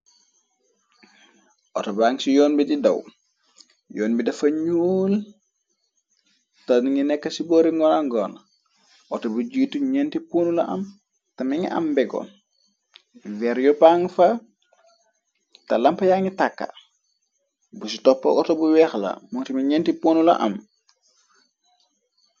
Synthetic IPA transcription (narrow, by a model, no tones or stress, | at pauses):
ʔɔtɔbaːŋsijɔːnbididɐw | jɔːnbidɐfɐɲul | tɐniŋinɛkːɐsibɔːɾiŋɡɔnaŋɡɔn | ʔɔtobud͡ʒiːtuɲɛntipunulɐ̰ʔɐ̰m | tɐmiŋḭɐ̰mbɛɡɔ̰ | wɛɾjɔpaŋfɐ | tɐlɐmpɐjaŋitakːɐ̰ | busitɔpːɐ̰ʔɔtɔbuwɛxlɐ̰mɔŋtimiɲɛntipoːnulɐ̰ʔɐ̰m